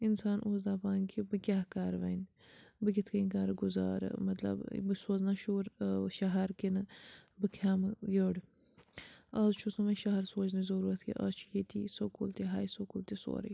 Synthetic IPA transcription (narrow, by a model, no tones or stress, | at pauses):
insaːnʔuːzd̪aːpaːnkʰibɨkʲaːkaːɾʋɐn | bɨɡʲit̪ʰkʰɐinkaːɾɡuza̰ːɾɨ̰mɐt̪lɐ̰bbɨsoːznaʃuːɾʃɐɦɐɾkinɨbɨkʰaːmjoːɽ | ɐzt͡ʃʰusɐmɐʃɐɦɐɾsoːt͡ʃnizɐɾuːɾɐt̪ʰkʰḭʔɐ̰zt͡ʃʰu̥jiːt̪iːsokult̪iɦaːjsokult̪iso̰ːɾḭ